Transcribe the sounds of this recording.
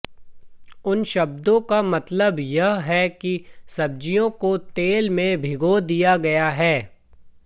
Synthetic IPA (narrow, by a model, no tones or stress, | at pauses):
ʊnʃɐbd̪õkamɐt̪ləbjɐɦɦɛkisɐb̚d͡ʒijõkot̪eːlmẽbʱɪɡod̪ijaɡɐjaɦɛː